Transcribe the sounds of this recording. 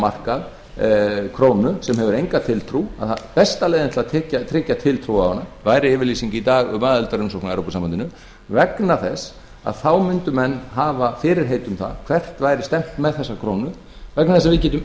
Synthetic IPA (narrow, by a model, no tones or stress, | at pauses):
mar̥kað | kʰɾoːwnʏsɛmɦɛvʏɾejŋkat̪ʰɪlt̪ʰɾua̰ða̰ðpɛst̪alɛjðɪnat̪lat̪ʰɛːcat̪ʰɾɪːcːat̪ʰɪlt̪ʰɾuːawhanːavajɾɪɪːvɪɾliːsiɲcɪit̪aːɣʏmaːðʏlt̪aɾʏmsowknaɛɾowpɔsaːmant̪ɪnʏ | vɛknaθɛs | a̰ðθawmʏnt̪ʏmɛnːɦaːvafɪːɾɪɾ̥ɦeːjt̪ʏmθa̰ðkʰv̥ɛr̥t̪vaːjɾɪ̥st̪ɛm̥t̪mɛðθɛsːakʰɾoːwnʏ | vɛknaðθɛs̬aðvɪcɛːt̪̬ʏm